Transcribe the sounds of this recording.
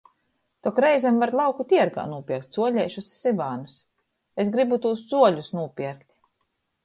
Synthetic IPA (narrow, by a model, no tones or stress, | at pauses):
t̪ɔkɾɛjzɛmvaɾlˠawkut̪iɛɾɡa̰ːnuɔpʲiɛkt̪ʲz̥uɔlʲɛjʃussibaːnus | esɡɾibut̪uːsz̥uɔlʲusnuɔpʲiɛɾkt̪ʲ